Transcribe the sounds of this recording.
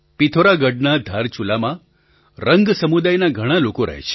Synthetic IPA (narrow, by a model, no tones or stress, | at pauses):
pit̪ʰoɾaɡəɖnad̪ʱaɾt͡ʃulamã | ɾəŋɡsəmud̪ajnaɡʱəɽ̃ãlokoɾə̰ɦḛt͡ʃʰe̥